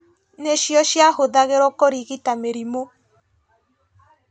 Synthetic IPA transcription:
neʃjɔʃjahoðaɣeɾɔkoɾiɣitameɾimo

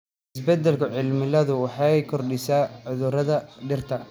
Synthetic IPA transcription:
ɪsbɛd̪ɛlkʰʊʕɪlmɪlɐðʊwɑħɑjkʰɔrɖɪsaːʕʊðʊɾɐðɐɖɪrt̪ʰɐ

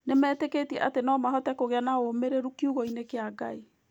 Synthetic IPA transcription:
nemɛːtekeːtiɛ̰ʔa̰tenɔmaɦɔtɛkoɣeanaomeɾeɾukiuɣoinekeaɡai

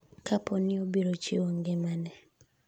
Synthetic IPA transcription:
kapɔnɪobeɾot͡ʃewoŋɡɪmanɛ

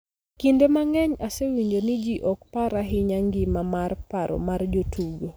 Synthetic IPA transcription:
kindemaŋɛɲasewiɲd͡ʒonɪd͡ʒiʔɔk̚paɾaɦɪɲaŋɡɪmamarpaɾɔ̰mard͡ʒotʰuɡo

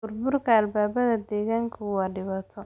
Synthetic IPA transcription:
ʊrbʊrkʰɐːlbaːβɐðɐd̪ɛːɣaːŋkʰɐwɑːɖɪβaːt̪ʰɔ

